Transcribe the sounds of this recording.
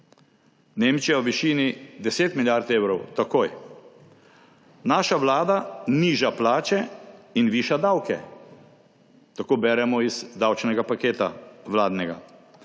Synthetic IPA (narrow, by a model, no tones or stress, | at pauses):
neːmt͡ʃijawʋiʃiːnid̪ɛseːt̪miljaɾt̪eːwɾɔwt̪akoːj | naːʃaʋlaːd̪aniːʒaplaːt͡ʃɛinʋiːʃad̪awkɛ̰ | t̪akoːbɛːɾɛmɔiz̥d̪awt͡ʃnɛɡapakeːt̪a̰ʋlaːd̪nɛɡa̰